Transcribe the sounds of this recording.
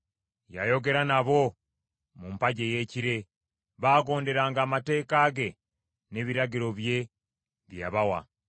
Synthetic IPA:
jajo̞ɡe̞ɾanaβo̞ | mumpaɟe̞je̞ːciɾe̞ | βaːɡo̞ːnde̞ɾaːŋɡaːmate̞ːkaːɡe̞ | ne̞βiɾaɡiɾo̞βje̞ | βjaβawa̰

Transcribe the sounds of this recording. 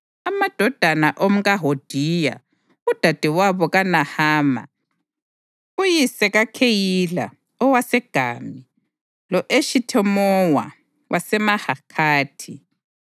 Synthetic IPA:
amad̥ʱɔd̥ʱanaʔomuɣaɦod̥ʱija̰ | ud̥ʱad̥ʱiwaβɔɣanahaːma̰ | ujisɛɣakʰejila̰ | ɔwasɛɡ̥ʱa̰ːmi | lɔʔeʃitʰɛmɔwa̰ | wʔasɛmahakʰaːtʰi

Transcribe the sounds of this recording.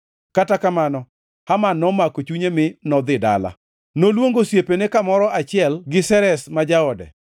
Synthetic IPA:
katakamanɔ | hamanɔmakot͡ʃuɲemɪnɔd̪ɪda̰la̰ | nolwoŋɡosjepenekamɔɾɔʔat͡ʃɪɛlɡɪsɛɾɛsmad͡ʒaɔdɛ̰

